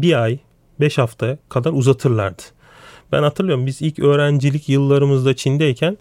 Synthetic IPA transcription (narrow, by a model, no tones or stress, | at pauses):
biaj | bɛʃhaft̪ʰakʰad̪aɾuzat̪ʰɯɾlˠa̰ɾd̪ɯ̥ | b̥æ̰nhat̪ʰɯɾlˠɯjoɾumbizilʲcʰø̞ːɾænd͡ʒilʲicjɯlˠːaɾɯmɯzd̪at͡ʃʰind̪ɛjcʰæn